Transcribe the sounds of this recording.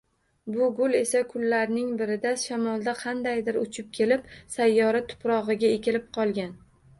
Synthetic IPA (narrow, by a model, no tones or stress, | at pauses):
bʊɡʊle̞sakʰʊlːaɾnɪŋbɪɾɪd̪aʃamɒlˠd̪aqʰɑnd̪ajd̪ɪɾʊt͡ʃʰɪp̚kʲʰe̞lɪpsajːɒɾat̪ʰʊ̥pɾɒʁɨɡʲaekʲɪlɪp̚qʰɒlˠɡʲan